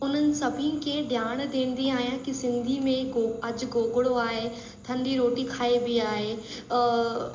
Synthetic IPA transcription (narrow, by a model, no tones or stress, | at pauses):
ʊn̤ənɪ̆sɐbʱikʰẽɗjaːɽ̃d̪eːn̆d̪iaːɦijãkisɪ̃nd̪ʱimẽɐd͡ʑʊɡoːɡɪɽoaːɦeː | t̪ʰɐ̃nd̪iɾoːʈikʰaːebiaːɦeː